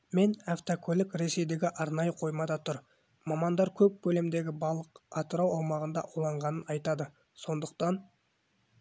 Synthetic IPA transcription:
me̞naft̪okʲʰolɪkɾe̞se̞jd̪e̞ɡʲɪʔɑɾnɑjəqʰo̞jmɑd̪ɑt̪ʰʊɾ | mɑmɑnd̪ɑɾkʲʰɵp̚bʲʰɵle̞md̪e̞ɡʲɪbɑlˠəqɑt̪əɾɑwɑwmɑʁənd̪ɑ̰ʔulˠɑɴʁɑnənɑjt̪ɑd̪ə | so̞nd̪əq̚t̪ɑn

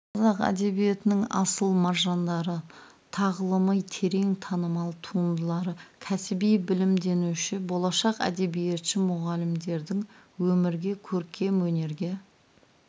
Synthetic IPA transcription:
qʰɑzɑqæ̰d̪e̞bije̞t̪ɪnɪŋɑ̰səlˠmɑɾʒɑnd̪ɑɾə | t̪ʰɑʁəlˠəməjt̪ʰe̞ɾe̞ŋt̪ʰɑnəmɑlˠt̪ʰuənd̪əlˠɑɾəkʲʰæsɪbijbɪlɪmd̪e̞nuʃɪbo̞lˠɑʃɑqæ̰d̪e̞bijet̪ʃɪmʊʁɑlɪmd̪e̞ɾd̪ɪŋwɵmɪɾɡʲe̞kʲʰɵɾkʲʰe̞mwɵne̞ɾɡʲe̞

